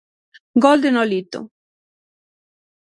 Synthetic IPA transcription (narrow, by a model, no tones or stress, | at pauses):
ɡɔld̪enɔlit̪ːʊ̰